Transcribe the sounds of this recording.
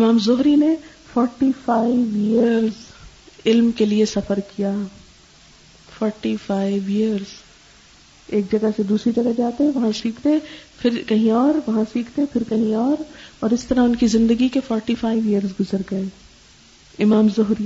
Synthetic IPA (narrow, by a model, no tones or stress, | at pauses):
ɪmaːmzʊɦɾine | fɔːɾʈifaːɪiʋijəɾz | ɪlmkeliesɐfəɾkijaː | fɔːɾʈifaːiʋiːəɾz̥ | eːk̚d͡ʒɐɡased̪uːsɾid͡ʒɐɡad͡ʒaːt̪eɦɛ̃ʋɐɦãsiːkʰt̪eɛpʰɪɾkɐɦĩɔːɾʋɐɦãsiːkʰt̪epʰɪɾkɐɦĩɔːɾɔːɾɪst̪ɐɾaʊnkizɪ̃nd̪əɡikefɔːɾʈifaːɪʋiəɾzɡʊzəɾɡɐeː | ɪmaːmzʊɦɾi